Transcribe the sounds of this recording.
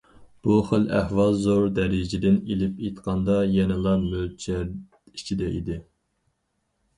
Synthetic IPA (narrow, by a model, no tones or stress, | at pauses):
b̥uχəlæhwɑlˠzoɾd̪ɛɾɪd͡ʒɪd̪ɪnelɪpet̪qʰɑnd̪ɑjɛnɪlˠɑɾmølt͡ʃʰæɾ | i̥t͡ʃʰid̪ɛʔḭd̪ɪ